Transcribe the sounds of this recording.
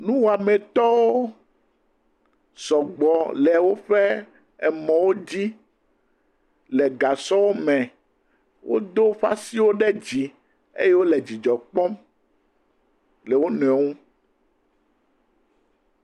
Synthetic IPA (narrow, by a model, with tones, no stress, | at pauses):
nũ˦wo˨a˨mẽ˨t̪ɔ˦wo˦ | sɔ˨ɡ͡bɔ˨lɛ˨wo˦ɸe˦ | ɛ˨mɔ̃˨wo˦d͡ʑi˦ | le˨ɡa˨sɔ˦wo˦mɛ̃˨ | wʔo̰˦d̪o˦ɸa˦si˦wo˦ɖɛ˦d͡ʑi˨ | ḛ˦je˦wo˦le˨d͡ʑi˨d͡ʒɔ˨k͡pɔ˦m | le˨wo˦nɛ̃˨ŋũ˦